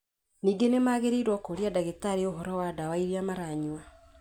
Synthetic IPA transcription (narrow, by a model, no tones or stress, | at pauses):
niːɡenemaɣeɾeiɾwɔkoɾiadaɣetaɾeoɦɔɾɔwadawaiɾiamaɾaɲwa